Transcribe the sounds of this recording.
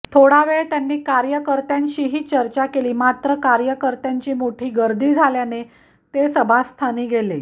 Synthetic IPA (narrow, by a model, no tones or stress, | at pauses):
t̪ʰoɽaʋeɭt̪janːiːkaɾjəkəɾt̪jãɲɕiːɦiːt͡ɕəɾt͡ɕakeliːmat̪ɾəkaɾjəkəɾt̪jaɲt͡ɕiːmoʈʰiːɡəɾd̪ʱiːd͡zʱaljane | t̪esəbʱast̪ʰaniːɡʱele